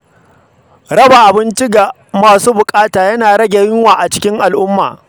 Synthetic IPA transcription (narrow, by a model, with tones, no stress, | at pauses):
ɾɐ˦ba˨ʔa˨bɪ˦nt͡ʃi˦ɡa˨ | maː˨suː˦bʊ˨kʼaː˦taː˨jɐ˦naː˨ɽɐ˦ɡʲe˨jɪ˦ŋwaː˨ʔa˨t͡ʃɪ̥˦kʲɪ˦ŋʔa˨lʔʊ˦mːa̰ː˨